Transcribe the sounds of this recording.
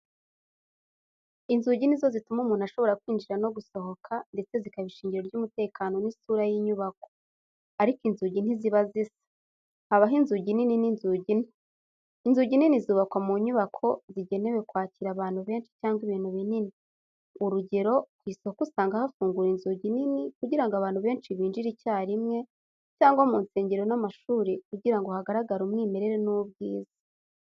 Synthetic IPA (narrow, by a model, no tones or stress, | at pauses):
inzuːɟinizo̞zitumumuːnaʃo̞βo̞ɾakwiːnd͡ʒiɾano̞ɡuso̞ɦo̞kʰande̞t͡se̞zikaβiʃiːɲɟiɾo̞ɾɟumute̞ːkʰaːno̞nisuːɾajiɲuβak̚o̞̥ | aɾikinzuːɟin̥iziβazisḁ | haβaɦinzuːɟininininzuːɟiniː | nzuːɟininizuːβakwamuɲuβakʰo̞ziɟe̞ne̞we̞kwaːciɾaβaːn̥huβe̞ːnt͡ʃi̥caːŋɡwiβiːn̥huβinini | uɾuɟe̞ɾo̞ɡ̥wiːsihokusaːŋɡahafuːŋɡuɾinzuːɟininikuɟiɾaŋɡoaβaːn̥huβe̞ːnt͡ʃiβiːnd͡ʒiɾicaːɾimŋe̞ | caːŋɡwamuːnseːɲɟeɾo̞namaʃuːɾik̚uɟiɾaŋɡo̞haɡaɾaɡaɾumŋiːme̞ɾe̞ɾenubɡiːzḁ